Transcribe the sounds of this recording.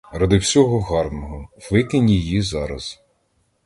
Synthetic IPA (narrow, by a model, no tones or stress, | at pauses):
rɑd̪ɪwsʲɔɦɔɦɑrnɔɦɔwʋɪkɪnʲijizɑɾɐz̥